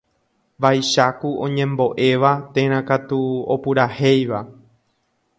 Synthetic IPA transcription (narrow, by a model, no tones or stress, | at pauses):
ʋajʃakuʔõ̞̰ɲẽ̞mbo̞ʔe̞ʋat̪ẽɾ̃ãkat̪uopɨɾahejʋa